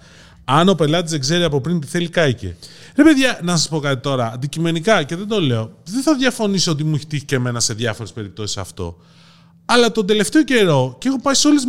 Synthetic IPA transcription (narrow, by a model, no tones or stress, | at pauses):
ɐno̞pe̞lɐt̪ize̞kze̞ɾiɐpo̞pɾint̪iθe̞likɐice̞̰ɾe̞pe̞ðʝɐnɐsɐspo̞kɐt̪it̪o̞ɾɐːnd̪icime̞nikɐceðend̪o̞le̞o̞ðenθɐðʝɐfo̞nisoo̞t̪imuiçe̥t̪içi̥ceme̞nɐse̞ðjʝɐfo̞ɾe̞spe̞ɾip̚t̪o̞si̥sɐ̰ft̪o̞̰ | ɐlɐt̪o̞nd̪e̞le̞ft̪eo̞ce̞ɾo̞ceexo̞pɐiso̞lez